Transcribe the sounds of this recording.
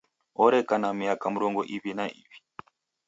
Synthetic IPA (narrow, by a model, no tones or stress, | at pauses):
ɔɾɛkanamiakamuɾɔŋɡɔʔivinaʔḭvi̥